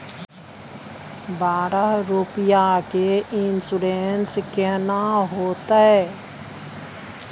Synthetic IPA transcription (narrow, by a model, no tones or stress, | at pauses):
baːɾəɦɾupɪjakeɪnsʊɽeːnskɛnaɦoːt̪aɦɛː